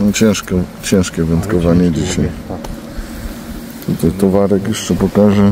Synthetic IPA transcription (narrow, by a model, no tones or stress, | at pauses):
ɔ̃t͡ɕɛ̃w̃ʂkɔt͡ɕɛ̃w̃ʂkʲɛvɛnt̪kɔvaɲɛd͡ʑiɕaj | t̪ut̪ajt̪ɔvaɾɛkjɛʂt͡ʂɛpɔkaʐɛ